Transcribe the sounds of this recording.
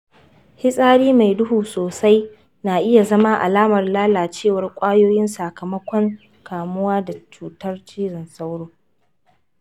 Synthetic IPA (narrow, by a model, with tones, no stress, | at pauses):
hɪ˦sʼaː˦ɽiː˦ma˨jdʊ˦huː˨soː˨sa˦j | naː˨ʔɪ˦ja˨zɐ˦ma˦ʔa̰˨laː˦mɐ˨rlaː˦laː˨t͡ʃeː˦˨wɐ˨rkʷʼaː˦joː˦jɪ˦nsa˨kɐ˨mɐ˦kʷɔ˦ŋ | kaː˨mʊ˦waː˦da˨t͡ʃuː˨tɐ˦rt͡ʃiː˦ɽɪ˨nsa˦wɽoː˦